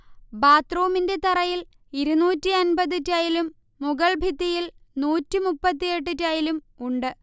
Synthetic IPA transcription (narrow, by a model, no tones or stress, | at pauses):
baːt̪roːminde̞t̪ɐrɐjil | iɾunuːtːiɐnbɐðitːaːjilumː | uɣɐɭbʱid̪ijilnuːtːimupːɐt̪ːijeʈ̬ːɨtːaːjilum | uɳɖɨ